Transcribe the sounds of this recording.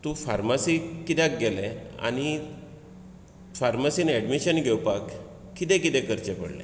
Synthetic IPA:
t̪ũfaɾmasikːit̪ãk̚ɡelɛ̃a̰ñi | faɾmasiːnɛɖmiɕənɡʱewpakː | it̪ɛ̃kit̪ɛ̃kəɾt͡ɕepə̰ɽlɛ̰

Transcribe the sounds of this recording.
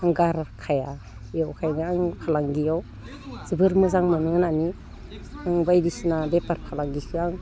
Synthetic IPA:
aŋɡaɾkʰaja | jawkʰajnaaŋpʰalaŋɡijaw | z̥ɯbɯɾmɯzaŋmɯnɯŋnani | aŋbajdisinabepaɾpʰalaŋɡisiaŋ

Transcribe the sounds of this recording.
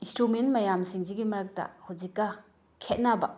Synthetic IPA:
instɾumentmɐjamsiŋziɡimɐɾak̚dɐ̰huzikːɐ | kʰet̚nabɐ

